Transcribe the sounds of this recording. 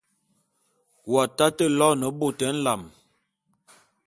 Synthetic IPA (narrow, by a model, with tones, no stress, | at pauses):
wa˨ta˦tə˦˨lɔ˦nə˨bo˦˨tɛ˨˦n̩˦la˨m